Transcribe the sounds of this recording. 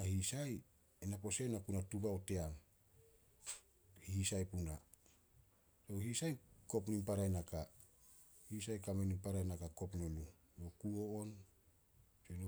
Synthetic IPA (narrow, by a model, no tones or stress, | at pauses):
ahisaj | enapo̞senakunatuβawte̞am | hhisajpuna | sohisajko̞pnimpaɾajnaka | hisajkamenimpaɾajnakako̞pnolu | jokuoon | seno